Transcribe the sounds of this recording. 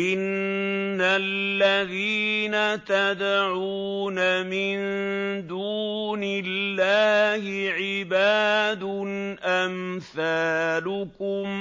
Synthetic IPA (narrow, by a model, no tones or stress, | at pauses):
ʔɪnː | alːaðiːnat̪ad̪ʕuːnamɪnd̪uːnɪlːaːhɪʕɪbaːd̪ʊnʔamθaːlʊkʊm